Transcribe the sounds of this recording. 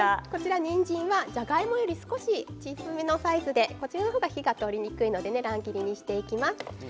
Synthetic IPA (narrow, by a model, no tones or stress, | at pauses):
ako̞t͡ɕiɾaɲĩɲd͡ʑĩɰ̃βad͡ʑaɡaimo̞jo̞ɾʲisɨ̥ko̞ɕit͡ɕisɨmʲino̞saizɨd̪e̞ko̞t͡ɕiɾano̞ɦoːɡaçiɡat̪o̞ɾʲiɲ̟ikɯ̟ino̞d̪e̞ne̞ɾãŋɡʲiɾʲiɲ̟iɕi̥t̪e̞ikʲimasɨ̥